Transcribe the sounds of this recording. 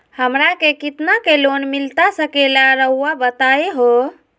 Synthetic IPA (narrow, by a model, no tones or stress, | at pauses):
həmɾakekit̪nakelonmilt̪asəkelaɾəɦuabət̪aeɦo